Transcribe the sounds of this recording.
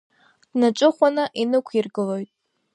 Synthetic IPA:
d̥naʈ͡ʂʼɨχʷanaʔinɨkʷʰirɡɨlo̞jtʼ

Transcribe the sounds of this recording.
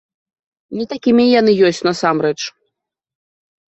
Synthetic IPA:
nʲit̪akʲimʲijanɨjɔsʲt͡sʲnɐsamɾɛt͡ʂ

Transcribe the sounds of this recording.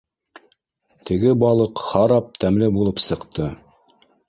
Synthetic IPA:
t̪ʰɘ̆ɡɘbɑlˠɤqhɑɾɑp̚t̪æmlɘbulˠɤpsɤ̆qt̪ɤ

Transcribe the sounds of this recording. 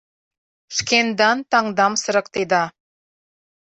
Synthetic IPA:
ʃkend̪ɑnt̪ɑŋd̪ɑmsə̆ɾɤ̆k̚t̪ed̪ɑ

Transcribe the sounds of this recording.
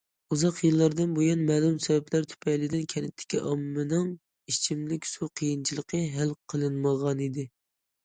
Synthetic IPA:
uzɑqjɨlˠːɑɾd̪ɨnbojunmɛːlˠumsɛvɛplæɾt̪ʰy̥pʰɛjlɪd̪ɪnkʲʰɛnɪt̪ʰːɪ̥kʲʰiʔɑmːɨnɨŋ | it͡ʃʰimlɪkʲsuqʰəjint͡ʃʰilˠəqʰəɦælˠqʰəlˠɨnməʁɑnid̪ɪ

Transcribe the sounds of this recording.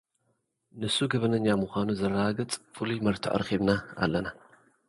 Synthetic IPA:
nɨsuɡɐβɐnɐɲːamɨxʷanuzɐrːaɡɨt͡sʼfɨlujmɐɾt̪ʰɨ̰ʔɨ̰ɾxiβnaa̰lːɐna

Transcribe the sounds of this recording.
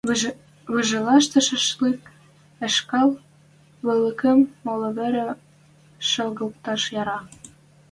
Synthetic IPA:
βɤ̆ʒɤ̆lɑʃ̬t̪ɤ̆ʃə̆ʃlik | ɘ̆ʃkɑl | βɤ̆lə̆kə̆mːolɤ̆βɘ̆ɾĕ | ʃɤ̆lɣɤ̆lk̚t̪ɑʃjɑɾɑ

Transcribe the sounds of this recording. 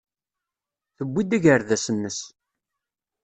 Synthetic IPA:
θəbːid̪æʝəɾðæsənːəs

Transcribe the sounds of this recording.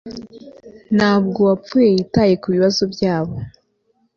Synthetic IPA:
naːb̚ɡo̞wap͡fuje̞jitaːje̞kuβiβazo̞bjaːβo̞

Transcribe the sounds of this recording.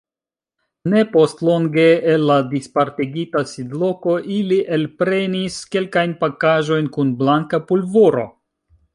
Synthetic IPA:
ne̞po̞stlo̞ŋɡe̞ːlːadispaɾtiɡitasidlo̞ko̞ʔiliʔelpɾe̞niske̞lkajnpakaʒo̞jnkunblaŋkapulvoɾo̞̰

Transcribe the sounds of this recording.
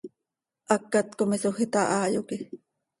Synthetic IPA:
ʔɑkːat̪komisoxit̪ɑʔɑːjoki

